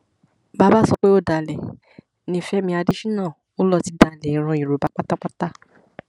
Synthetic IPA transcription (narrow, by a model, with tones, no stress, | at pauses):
ba˦ba˦˨sɔ˧k͡pe˦o˦˨da˨lɛ˨ | nĩ˧˦fɛ˦mĩ˧a˧di˦ʃĩ˦nãː˦˨ | o˦lɔ˧ti˧da˧˨lɛ˨i˨˦ɾ̃ɔ̃˧i˨ɾo˨ba˨˦k͡pa˦ta˦k͡pa˦ta˦